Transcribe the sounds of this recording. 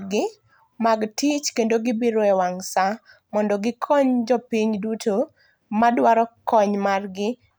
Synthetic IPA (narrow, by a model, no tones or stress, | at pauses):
ɡɪ | maɡtit͡ʃkendoɡɪbiɾɔɛwaŋsa | mɔndɔɡɪkʰɔɲd͡ʒɔpiɲduto | madwaɾɔkɔɲmarɡɪ